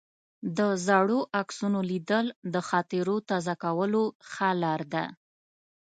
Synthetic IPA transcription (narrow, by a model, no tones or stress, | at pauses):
d̪əzɑɽoʔaksunolid̪əld̪əxɑt̪ɪɾot̪ɑzakawəloxalɑɾd̪a̰